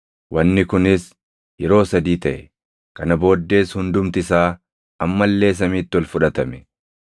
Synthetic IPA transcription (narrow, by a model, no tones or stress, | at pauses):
wʔɐnːɪkʊnɪs | jɛɾo̞ːsɐd̪iːt̪ɐʔɛ | kɐnɐbo̞ːd̪ːe̞ːshʊnd̪ʊmt̪ɪɪsaː | ɐmːɐlːe̞ːs̬ɐmiːt̪ːɪwɐlfʊᶑɐt̪ɐmɛ̥